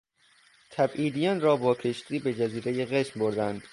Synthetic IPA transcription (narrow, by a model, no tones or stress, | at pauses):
t̪ʰæbʔiːd̪ijɒnrɒːbɒːkʰeʃt̪iːbe̞d͡ʒæziːɾe̞jeɣeʃmboɾd̪ænd̪̥